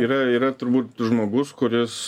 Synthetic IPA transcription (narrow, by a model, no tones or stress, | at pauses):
iːɾɐiːɾɐt̪ʊɾbuːt̪ʒmoːɡʊskʊɾʲɪs